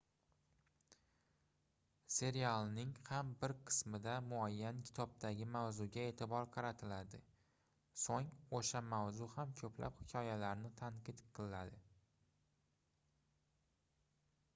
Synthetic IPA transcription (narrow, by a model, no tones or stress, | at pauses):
se̞ɾijalˠnɪŋhambɪɾqʰɨ̥smɪd̪amʊajːankʲʰɪ̥t̪ʰɒb̚t̪ʰaɡʲɪmawzʊɡʲae̞t̪ʰɪbɒɾqʰɑɾat̪ʰɪlad̪ɪ | soŋoʃamawzʊhamkʲʰɵpʰla̰phɪkʲʰɒjalaɾnɪt̪ʰaɴqʰɨt̪qʰɨlɪad̪ɪ